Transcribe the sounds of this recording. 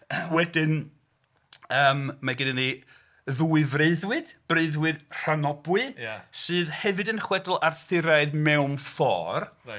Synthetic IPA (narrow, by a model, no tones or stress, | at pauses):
wɛdɪn | əːmːaɡɪnɪni | ðuːɨvreɨðwɨd̥b̥reɨðwɨd̥r̥anɔbwɨsɨːðhɛvɨdənχwɛdʊlˠarθɪɾaɨðmɛwmfɔ̰ːr